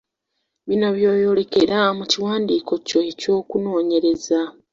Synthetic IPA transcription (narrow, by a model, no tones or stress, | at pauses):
βino̞βjo̞ːjo̞ːle̞ke̞ɾamuciwaːndiːko̞co̞eco̞ːkuno̞ːɲe̞ɾe̞za